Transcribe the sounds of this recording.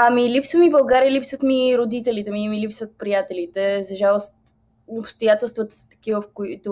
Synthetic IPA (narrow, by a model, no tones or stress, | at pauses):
amilipsvəmibɐlˠɡaɾilipsvət̪miɾod̪it̪ɛlit̪ɛmimilipsvət̪̚pɾijat̪ɛlit̪ɛzɐʒalˠost̪ | opst̪ojat̪ɛlˠst̪vət̪ə̥st̪ɐ̥k̟ivəfkoit̪o